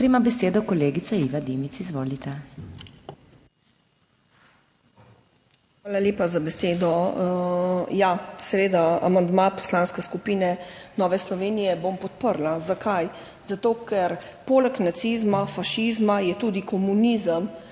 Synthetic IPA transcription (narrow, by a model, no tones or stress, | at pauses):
pɾimabɛseːd̪ɔkɔleːɡit̪saiʋad̪emit̪sizʋoːlit̪ɛ | xʋaːlaljeːpazabɛseːd̪ɔ | jasɛʋeːd̪aa̰mand̪mapɔ̥slaːnskɛskupiːnɛnɔːʋɛslɔʋeːnijɛbompɔt̪̚pəɾlazakʰaj | z̥at̪oːkɛɾ | poːlɛknat̪sizmafaʃizmajɛt̪uːd̪ikɔmunizəm